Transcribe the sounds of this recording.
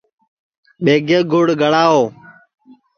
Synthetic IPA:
ɓeːɡeːɡʱʊɽɡʱəɭaːɦoː

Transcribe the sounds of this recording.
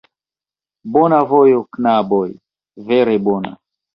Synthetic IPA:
bɔnavojoknaboj | veɾebona̰

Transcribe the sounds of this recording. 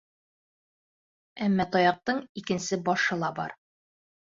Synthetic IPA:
æmːɑt̪ɒjɑq̚t̪ɤɴikɘ̆nsɘbɒʃɤ̆lˠɑbɒ̰ɾ

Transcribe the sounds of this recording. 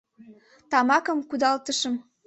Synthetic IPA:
t̪ɑmɑkə̆mkud̪ɑlt̪əʃə̆m

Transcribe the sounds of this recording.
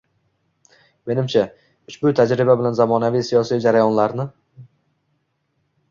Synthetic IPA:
me̞nɪmt͡ʃʰa | ʊʃbʊt̪ʰad͡ʒɾɪbabɪlanzamɒnavijsijɒsijd͡ʒaɾajɒnlaɾnɪ

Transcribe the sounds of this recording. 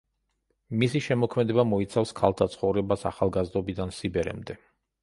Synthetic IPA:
misiʃɛmɔkʰmɛd̪ɛbamɔit̪sʰafskʰalˠt̪ʰat̪sʰχɔvɾɛbasaχalˠɡazd̪ɔbid̪ansibɛɾɛ̰md̪ɛ

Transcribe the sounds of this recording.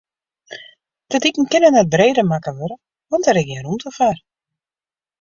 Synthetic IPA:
d̥ədikn̩kɪnənɛt̚breːdəmakəʋøɾə | ʋɔntɛɾɪkjɛɾumtʰəfaːr

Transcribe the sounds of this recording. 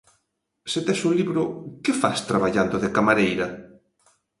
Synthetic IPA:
sɪt̪ɛʃoliβɾʊkɪfast̪ɾaβaʎand̪ʊðɪkamaɾejɾɐ

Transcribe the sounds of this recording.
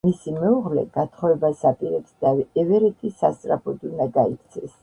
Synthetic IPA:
misimɛuʁlɛ̰ɡat̪ʰχɔɛbasapʼiɾɛpsd̪aɛvɛɾɛt̪ʰʼisast̪sʼɾapʰɔd̪unaɡaikʰt̪sʰɛs

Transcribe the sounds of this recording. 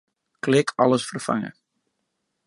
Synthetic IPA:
klɪkʰɑləsfərfa̰ŋə̰

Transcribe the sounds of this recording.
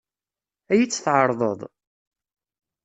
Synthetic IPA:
æjit͡sːθʕəɾˤðˤəðˤ

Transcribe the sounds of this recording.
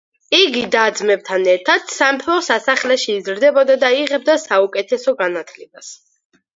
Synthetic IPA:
iɡid̪ad̪zmɛb̚t̪ʰanɛɾt̪ʰad̪̥sampʰɾɔsasaχlɛʃiːzɾd̪ɛbɔd̪ad̪aiʁɛb̚d̪asaukʼɛt̪ʰɛsɔɡanat̪ʰlɛbas

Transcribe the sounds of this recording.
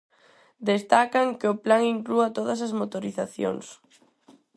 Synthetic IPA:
d̪est̪akaŋkɪʊplaŋiŋkluat̪oðɐs̬ɐzmot̪oɾiθaθjo̰ŋs

